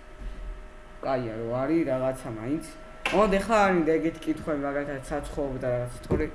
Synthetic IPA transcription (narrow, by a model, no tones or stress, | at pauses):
kʼajaɾɔaɾiɾaʁat̪sʰamaint̪sʰ | ɔd̪ɛχlaːɾid̪aɛɡɛt̪ʰi̥kʼit̪ʰχwɛimaɡalit̪ʰad̪sat̪sʰχɔɔbd̪aɾaʁat̪sʰt̪ʰɔɾɛ